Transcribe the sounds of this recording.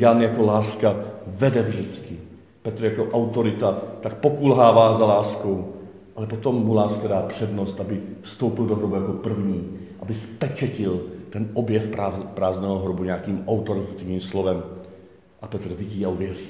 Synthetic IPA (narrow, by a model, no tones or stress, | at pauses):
janjako̞laːskavɛdɛvʒdɪt͡skɪ | pɛt̪ɾjako̞ʔawt̪o̞ɾɪt̪at̪ak̚po̞kuːlɦaːvaːzalaːsko̞w | ʔalɛpo̞t̪o̞mːulaːskadaːpr̝̥ɛdnost̪ʔabɪfst̪owpɪldoɦɾobujako̞pr̩vɲiːʔabɪspɛt͡ʃɛcɪlt̪ɛnʔobjɛfpapɾaːznɛːɦoɦɾobuɲɛakiːmʔawt̪oɾɪt̪at̪ɪvɲiːmslovɛm | ʔapɛt̪r̩vɪɟiːauvjɛriː